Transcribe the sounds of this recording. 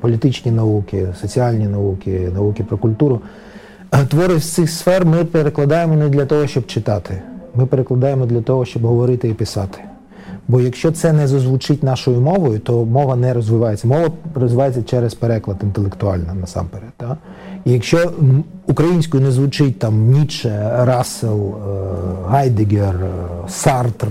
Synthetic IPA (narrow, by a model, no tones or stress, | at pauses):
pɔlʲit̪ɪt͡ʃnʲinɐukɪsɔt͡sʲiɑlʲnʲinɐukɪnɐukɪpɾɔkʊlʲt̪uɾʊ | t̪ʋɔɾɪsʲt̪sɪxsfɛrmɪpeɾeklˠɐd̪ɑjemɔnɛd̪lʲɐt̪ɔɦɔʃt͡ʃɔb̚t͡ʃɪt̪ɑt̪ʰɪmɪpeɾeklˠɐd̪ɑjemɔd̪lʲɐt̪ɔɦɔʃt͡ʃɔbɦɔʋɔɾɪt̪ɪipɪsɑ̰t̪ɪ̥ | bɔjɐkʃt͡ʃɔt̪sɛnɛzɔzʋut͡ʃɪtʲnɑʃɔjʊmɔʋɔjʊt̪ɔmɔʋɐnɛɾɔzʋɪʋɑjet͡sʲːɐmɔʋɐrɔzʋɪʋɑjet͡sʲːɐt͡ʃɛɾɛspeɾɛklˠɐd̪ɪnt̪elˠekt̪ʊɑ̰lʲnɐnɐsɑ̰mpeɾɛd̪t̪a | ijɐkʃt͡ʃɔukɾɐjinʲsʲkʊjʊnɛzʋʊt͡ʃɪt̚ʲt̪ɑmnʲit͡ʃɛɾɑsɪlˠ | ɦɑjd̪ɪɡʲersɑrt̪r